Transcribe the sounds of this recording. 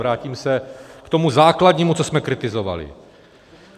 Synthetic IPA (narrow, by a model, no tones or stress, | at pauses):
ɾaːciːmsɛkt̪omuzaːkladɲiːmut͡sosmɛkɾɪt̪ɪzova̰lɪ̰